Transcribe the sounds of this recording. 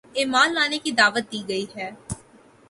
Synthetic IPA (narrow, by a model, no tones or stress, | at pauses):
ɪːmaːlːaːnekid̪aːʋət̪̚d̪iːɡəiːɦɛː